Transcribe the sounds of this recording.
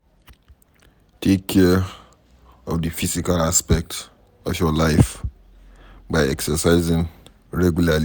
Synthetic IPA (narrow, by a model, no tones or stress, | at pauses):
tʰekʰːɛ | ɔvdəfisikalaspɛk̚t | ɔfjɔlaɪf | baɪɛksəsaɪzɪ̃ŋ | ɹɛɡjulal